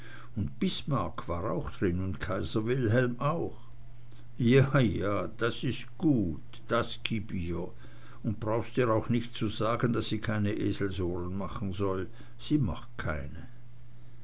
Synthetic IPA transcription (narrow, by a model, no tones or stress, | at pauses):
ʊntb̥ɪsmaɐkv̥aːʁa̰ʊxd̥ʁɪnʊntkʰaɪzɐvɪlɦɛlmʔaʊx | jaːjaːd̥asɪstɡ̥uːt | d̥asɡ̥iːbiːɐ | ʊnt̚b̥ʁaʊxstiːʁaʊxnɪçtt͡suzaːɡəndasz̥iːkʰaɪnəʔeːzl̩zoːʁənmaχn̩zɔl | z̥iːma̰χt̚kʰaɪnə